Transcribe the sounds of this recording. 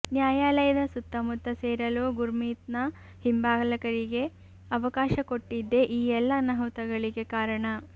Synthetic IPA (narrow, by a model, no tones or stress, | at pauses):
njaːjaːlɐjɐd̪ɐsut̪ːɐmut̪ːɐseːɾɐloːɡuɾmiːt̪̚nɐ | himbaːɡɐlɐkɐɾiɡe̞ | ɐʋɐkaːʃɐkoʈːid̪ːe̞ʔiːɛlːɐnɐɦut̪ɐɡɐɭiɡe̞kaːɾɐɳɐ